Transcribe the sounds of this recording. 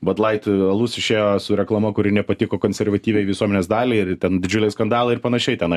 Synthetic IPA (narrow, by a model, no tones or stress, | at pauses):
bɐt̪lˠɐɪt̪ɐlˠuːsʲɪʃʲeːjoːsʊɾʲɛklˠɐmɐkʊɾʲɪnʲɛpɐt̪ʲɪkoːkoːnʲsʲɛrʋɐt̪ʲiːʋʲɛɪʋʲɪsuɔmʲɛnʲeːsd̪ɑːlʲɛɪɪtʲɛnd̪ʲɪd͡ʒʲʊlʲɛɪskɐnd̪ɑːlˠɐɪɪɾpɐnɐʃʲɛɪt̪ʲɛnɐɪ